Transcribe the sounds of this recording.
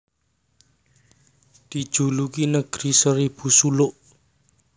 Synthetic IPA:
d̪̥i̤̥ʒ̥ṳlukinəɡ̥ɾisəɾib̥usulʊʔ

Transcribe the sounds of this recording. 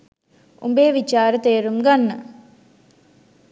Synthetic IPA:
umbeːʋit͡ʃaːɾət̪eːɾumɡanːə̰

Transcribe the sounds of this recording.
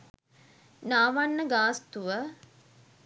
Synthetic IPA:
naːʋanːəɡaːst̪uʋə

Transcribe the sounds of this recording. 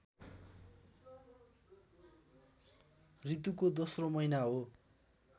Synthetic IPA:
rit̪ukod̪osromʌjnaɦo

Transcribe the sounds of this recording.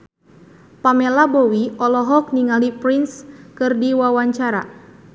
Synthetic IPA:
pamelabɔwiɔlɔɦɔk̚niŋalipɾinskɨrdiwawaɲt͡ʃaɾa̰

